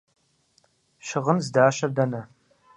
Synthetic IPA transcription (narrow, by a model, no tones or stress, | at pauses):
ʃɪʁənzdaːɕɐrdɐnɐ